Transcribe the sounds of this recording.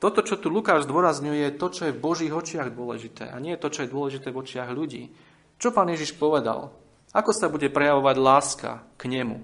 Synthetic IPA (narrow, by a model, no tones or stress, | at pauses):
t̪ɔt̪ɔt͡ʃɔt̪ulukaːʒzd̪ʊɔɾazɲujɛjɛt̪ɔt͡ʃɔjɛvbɔʒiːɣɔt͡ʃɪaɣd̪ʊɔlɛ̰ʒit̪ɛ̰ːaɲɪɛjɛt̪ɔt͡ʃɔjɛd̪ʊɔlɛʒit̪ɛːvɔt͡ʃɪaɣʎuɟḭː | t͡ʃɔpaːnjɛʒiʃpɔʋɛd̪a̰l | akɔsabuɟɛpɾɛjaʋɔʋaɟlaːska̰kɲɛmṵ